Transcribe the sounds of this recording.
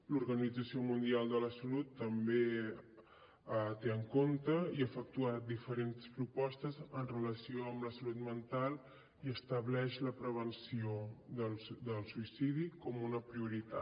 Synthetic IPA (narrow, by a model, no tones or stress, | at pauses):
luɾɣənid͡zəsiomund̪ialˠd̪ələsəlut̪ːəmbe | ət̪eəŋkont̪əiəfək̚t̪uat̪̚d̪ifəɾenspɾupɔst̪əzənrələsioəmləsəlut̪mənt̪alˠ | iəst̪əβlɛʃləpɾəβənsiod̪əlˠd̪əlˠsuisiðikɔmunəpɾiuɾit̪a̰